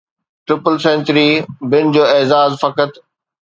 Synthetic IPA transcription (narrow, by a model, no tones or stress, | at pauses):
ʈɾɪpəlsẽːnt͡ɕɾibɪnd͡ʑoːeːzaːzfɐkət̪